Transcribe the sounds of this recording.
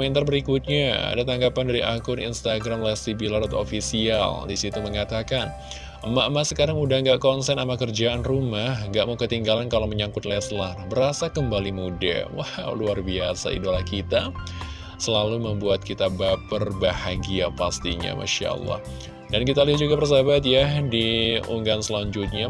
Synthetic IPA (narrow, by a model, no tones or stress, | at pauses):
mɛnt̪arbəɾikut̪̚ɲaa̰dat̪aŋɡapandaɾiʔakʊnḭnst̪aɡɾamlɛsibilaɾɔt̪o̰fisia̰ldisit̪uməŋat̪akan | əmaʔmasəkaɾaŋudaŋɡaʔkɔnsɛnamakərd͡ʒaʔanrumahəŋɡaʔmukət̪iŋɡalankalawməɲaŋkʊt̪lɛslarbəɾasakəmbalimuda̰wahwluarbiasa̰ḭdolahkit̪a | səlaluməmbuat̪̚kit̪abapərbahaɡiapast̪iɲa̰ma̰ʃa̰ə̰lˠːa̰h | dankit̪aliɦat̪̚d͡ʒuɡapərs̬abat̪jadiṵŋɡansəlaɲd͡ʒʊt̪̚ɲa